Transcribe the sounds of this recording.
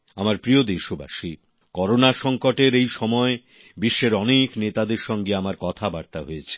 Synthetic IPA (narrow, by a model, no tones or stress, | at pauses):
amaɾpɾiod̪eʃoba̰ʃi | kɔɾonaʃɔŋkoʈeɾejʃɔmɔe | biʃːeɾɔneknet̪ad̪eɾʃɔŋɡeamaɾkɔt̪ʰabaɾt̪aɦoet͡ɕʰe̥